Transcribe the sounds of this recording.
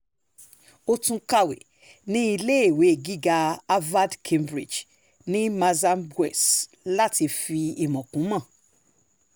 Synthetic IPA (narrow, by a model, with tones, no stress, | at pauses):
o˧tũ˧ka˦˨wḛ˨ | nĩ˦i˧le˦e˦˨we˨˦˨ɡi˦ɡa˧a˦va˦dkʰẽ˧mbɾi˨d͡ʒ | nĩ˦mã˧za˦mbɛ̰˨s | la˦ti˧fi˧i˨mɔ̃˨kũ˨˦mã˦˨